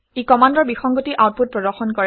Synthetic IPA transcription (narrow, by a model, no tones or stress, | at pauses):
ikɔmandɔɹbixɔŋɡotiʔaʊt̚put̚pɹɔdɔɹxɔnkɔɹ